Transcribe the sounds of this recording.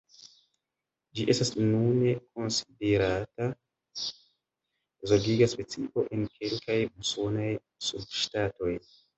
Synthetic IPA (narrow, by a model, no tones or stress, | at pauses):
d͡ʒiʔe̞stasnune̞ko̞nsi̥deɾata | zoɡiɡaspe̞t͡siʔo̞ʔe̞nkʰe̞lkajuso̞naj | sub̚ʃtato̞j